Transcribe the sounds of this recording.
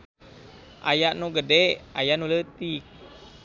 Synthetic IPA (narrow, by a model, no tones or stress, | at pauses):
ʔa̰jaʔnuɡədɛajanulət̪ik̚